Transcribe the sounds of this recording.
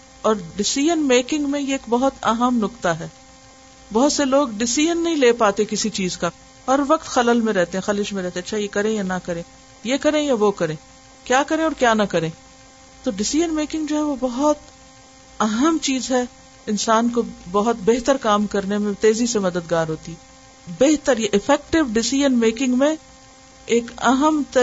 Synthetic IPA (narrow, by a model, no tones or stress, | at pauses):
ɔːɾɖɪsiːjənmeːkɪ̃ŋɡmẽjeeːkbɐɦʊt̪ɐɦəmnʊkt̪aɦɛː | bɐɦʊt̪seloːɡɖɪsiːjənːɐɦĩleːpaːt̪ekɪsit͡ʃiːzka | ɦɐɾʋɐqt̪xɐləlmẽɾɛɦt̪eɦɛ̃xɐlɪʃmẽɾɛɦt̪ẽɐtːʃʰajekɐɾẽjanɐkɐɾẽː | jekɐɾẽjaʋokɐɾẽː | kjaːkɐɾẽɔːɾkjaːnɐkɐɾẽː | t̪oɖɪsiːd͡ʒənmeːkɪ̃ŋɡd͡ʒoːɦɛʋobɐɦʊt̪ | ɐɦəmt͡ʃiːzɦɛ | ɪnsaːnkobɐɦʊt̪beɦt̪əɾkaːmkɐɾnemẽt̪eːzisemɐd̪əd̪ɡaːɾɦoːt̪iɦɛ | beɦt̪əɾjeʔɪfʰɛːk̚ʈɪʋɖɪsiːd͡ʒənmeːkɪ̃ŋɡmẽ | eːkɐɦəmt̪ɐ